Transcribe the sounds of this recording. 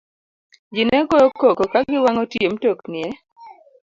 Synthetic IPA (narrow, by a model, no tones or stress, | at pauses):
d͡ʒɪnɛkookokokaɡɪwaŋɔtjemtoknɪɛ